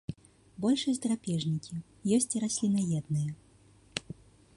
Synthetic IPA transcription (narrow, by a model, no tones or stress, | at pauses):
bɔlʲʂɐsʲd̪ɾapʲɛʐnʲikʲi | jɔsʲt͡sʲɾasʲlʲinɐjɛd̪nɨjɛ